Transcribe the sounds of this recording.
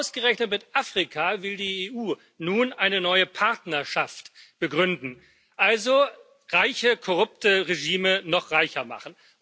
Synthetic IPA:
ʔʊsɡ̥əʁɛçnətmɪtʔaːfʁ̥ikʰavɪldiːeːʔuː | nuːnʔaɪnənɔʏəpʰaɐtnɐɐʃaftb̥əɡʁʏndn̩ | ʔalzo | ʁaɪçəkʰɔʁʊp̚təʁeʒiːmənɔχʁ̥aɪçɐma̰χn̩

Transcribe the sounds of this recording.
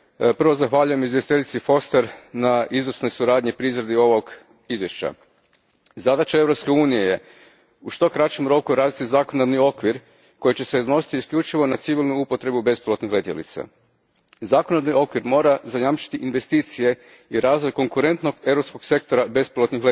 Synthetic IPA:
pr̩ʋo̞zaxʋaːʎuje̞mizʋjest̪it̪elʲit̪sifo̞st̪eɾnaʔizʋsno̞jsuɾaːd̪ɲipɾizɾed̪io̞ʋo̞ɡ | izʋjeʃt͡ɕa̰ | zad̪at͡ʃae̞ʋɾopske̞uːnije̞je̞ | uʃt̪o̞kɾat͡ʃemɾo̞kuɾaːzit̪izakond̪aɾnio̞kʋiɾ | ko̞jit͡ɕe̞se̞d̪ono̞si̥t̪iːskʎʲut͡ʃiʋo̞nat̪siʋilˠnuupo̞t̪ɾe̞bube̞spilot̪nixle̞t̪jḛlḭt̪sa̰ | zaːkond̪anio̞kʋiɾmo̞ːɾazajamt͡ʃi̥t̪iʔinʋe̞st̪iːt̪sije̞ | iɾaːzʋo̞jko̞ŋkuɾe̞nt̪no̞ɡevɾo̞psko̞ɡse̞k̚t̪o̞ɾabe̞spilˠot̪nixle

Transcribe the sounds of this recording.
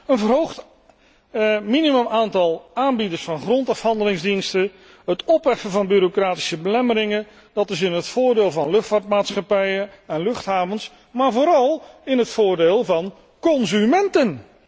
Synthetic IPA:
ənvərɦowχt | miniməmaːntɑlˠaːnbidəɹsfɑnχrɔntɑfɦɑndəlɪŋzdinstə | ɦətɔpʋɛfəvɑnbyɾokraːti̥səbəlɛməɾɪŋən | d̥ɑtɪsɪnɦətfʊːɹdeːlˠvɑnlɵχtfaːɹtmaːtsχɑpɛjəɛnlɵχtɦaːvəns | maːɹvoːɾɑlˠɪnɦətfʊːɹdeːlˠvɑn | kɔnzymɛntən

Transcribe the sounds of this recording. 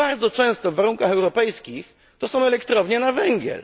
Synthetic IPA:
aɾd̪zɔt͡ʂɛ̃w̃st̪ɔvːaɾuŋkaxɛwɾɔpɛjskʲix | t̪ɔsɔ̃w̃ɛlɛkt̪ɾɔvɲɛnavɛŋɡʲjɛ̰l

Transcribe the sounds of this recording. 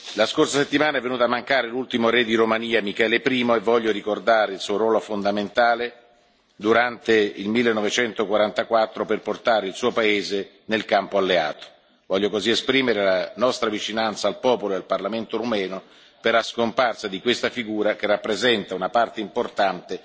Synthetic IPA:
laskorsaset̪ːimaːnaɛvːenuːt̪amːaŋkaːɾelult̪imoɾed̪iɾomaniːamikɛːlepɾiːmoevːɔʎːoɾikord̪aːɾeilsuːoɾwɔːlofond̪ament̪aːle | d̪uɾant̪eilmilːenːɔvet͡ʃɛnt̪okwaɾant̪akwat̪ːɾoperport̪aːɾeilsuːopaeːze | nelkampoalːea̰ːt̪o̥ | vɔʎːokoziespɾiːmeɾelanɔst̪ɾavit͡ʃinant̪saːlpɔːpoloealparlament̪oɾomɛːno | perlaskomparsad̪ikwest̪afiɡuːɾakerːapːɾezɛnt̪aunapart̪eimport̪ant̪e

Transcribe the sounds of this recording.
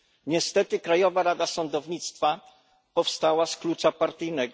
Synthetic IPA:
ɲɛst̪ɛt̪ɘkɾajɔvaɾad̪asɔnd̪ɔvɲit̪st̪fa | pɔfst̪awasklut͡ʂapaɾt̪ɘjnɛɡɔ

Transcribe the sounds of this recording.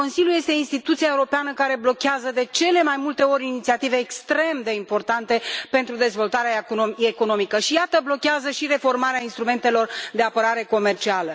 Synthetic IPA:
o̞nsiljuje̞st̪e̞inst̪it̪ut̪siaeuɾo̞peanəkaɾe̞blo̞kʲeazəd̪e̞t͡ʃe̞le̞majmult̪e̞o̞ɾʲinit̪siat̪ive̞ːkst̪ɾe̞md̪e̞impo̞rt̪ant̪e̞pe̞nt̪ɾud̪e̞zvo̞lt̪aɾeaekono̞mikəʃijat̪əblo̞kʲeazəʃiɾe̞fo̞rmaɾeainst̪ɾume̞nt̪e̞lo̞rd̪e̞apəɾaɾe̞ko̞me̞rt͡ʃialə

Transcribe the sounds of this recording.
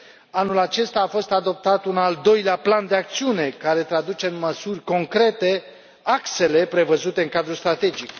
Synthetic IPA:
anulat͡ʃe̞st̪aːfo̞st̪ad̪o̞p̚t̪at̪unald̪o̞jleapland̪e̞ak̚t̪siune̞kaɾe̞t̪ɾad̪ut͡ʃe̞nməsurʲko̞ŋkɾe̞t̪e̞ | akse̞le̞pɾe̞vəzut̪e̞ɨnŋkad̪ɾust̪ɾat̪e̞d͡ʒik

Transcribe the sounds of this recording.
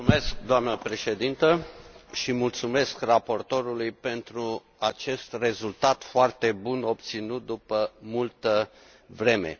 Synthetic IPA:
umesk̚d̪oamnəpɾe̞ʃe̞d̪int̪əʃimult̪sume̞skrapo̞rt̪o̞ɾulujpe̞nt̪ɾu | at͡ʃe̞st̪re̞zult̪at̪foart̪e̞buno̞p̚t̪sinut̪̚d̪upəmult̪ə | vɾe̞me̞̰

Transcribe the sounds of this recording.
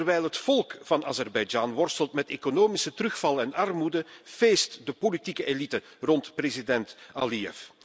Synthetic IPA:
ərʋɛjlˠɦətfɔlˠkvɑna̰ːzɛrbɛjd͡ʒaːnʋɔrstəlˠtmɛteːkonoːmisətrɵxfɑlˠəɛnɑrmudəv̥eːstdəpolitikəʔelitə | rɔntprezidɛntaliɛ̰f

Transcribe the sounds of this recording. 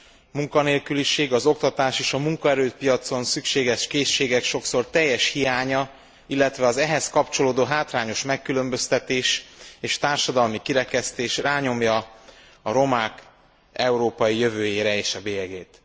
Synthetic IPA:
muŋkɒneːlkyliʃeːɡɒzo̞kt̪ɒt̪aːʃeːʃɒmuŋkɒɛɾøːpijɒt̪so̞nsykʃeːɡɛʃkeːʃːeːɡɛkʃo̞kso̞rt̪ɛjːɛʃhijaːɲɒ | ilːɛt̪ʋɛɒzɛɦɛskɒpt͡ʃo̞loːd̪oːɦaːt̪raːɲo̞ʃmɛkːylø̞mbø̞st̪ɛt̪eːʃeːʃt̪aːrʃɒd̪ɒlmikiɾɛkɛst̪eːʃraːɲo̞mjɒ | ɒɾo̞maːk | ɛuɾoːpɒjijøvøːjeːɾɛeːʃɒbeːɛɡeːt̪

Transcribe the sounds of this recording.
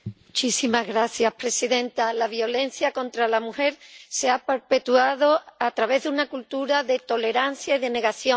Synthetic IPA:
mut͡ʃisimazɣɾaθjahpɾe̞siðẽ̞nt̪alaβjo̞le̞nθjakõ̞nt̪ɾalamuhe̞ɾse̞ape̞ɾpe̞t̪uaðo̞at̪ɾaβe̞ɦðeunakult̪uɾaðe̞t̪o̞le̞ɾanθjaiðe̞ne̞ɣaθjo

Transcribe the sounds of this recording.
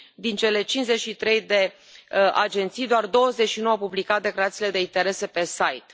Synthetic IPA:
d̪int͡ʃe̞le̞t͡ʃinze̞t͡ʃʃit̪ɾe̞jd̪e̞ | a̰d͡ʒe̞nt̪sijd̪oard̪o̞wəzet͡ʃʃinowaəpublikat̪̚d̪e̞klaɾat̪sile̞d̪e̞int̪e̞ɾe̞se̞pe̞sajt̪

